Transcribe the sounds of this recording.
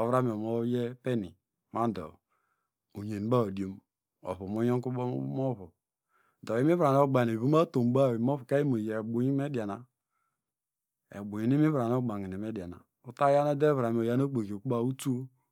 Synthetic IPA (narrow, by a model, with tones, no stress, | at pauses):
o˨vɾa˦m˨mo˦je˦pe˦nḭ˨ | ma˦n˦do̰˨ | u˨ɲe˨n˨˦ba˦o˨di˨o˨˦m | o̰˨βo˨mo˦jo˦ŋ˦ku˦mo˦βo˨ | do˨i˦mi˦βɾa˨n˦o˦ɡ͡ba˨e˨βo˦m˦a˦to˨m˦ba˦˨i˨mo˦βu˨ka˦i˦mo˨je˨ɡ͡bo˨ɲi˦me˦di˨a˨na˨ | ḛ˨ɡ͡bo˨ɲi˨n˦i˦mi˦βɾa˨n˦o˦ɡ͡ba˨ŋi˨i˨me˦da˨na̰˨ | u˦ta˦ja˦na˦de˦va˨m˨o˨ja˦n˦o˦k͡po˨ko˨ku˦a˦u˦tu˦